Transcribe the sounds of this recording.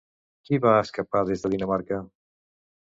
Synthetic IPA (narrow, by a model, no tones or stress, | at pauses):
kiβaəskəpaðezðəðinəmaɾkə